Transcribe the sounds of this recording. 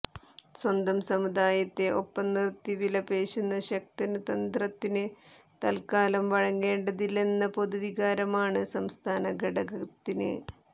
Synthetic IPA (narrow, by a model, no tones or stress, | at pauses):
swɐnd̪ɐmsɐmud̪aːjɐt̪ːe̞ʔo̞pːɐnːirt̪ːiʋilɐpe̞ːɕunːɐɕɐk̚t̪ɐnɐt̪ɐnd̪rɐt̪ːinɨ | t̪ɐlkaːlɐmʋɐɻɐŋːe̞ːɳɖɐðilenːɐpo̞ðuʋiɣaːɾɐmaːɳɨsɐmst̪ʰaːnɐɡeɽɐɡɐt̪ːinɨ̰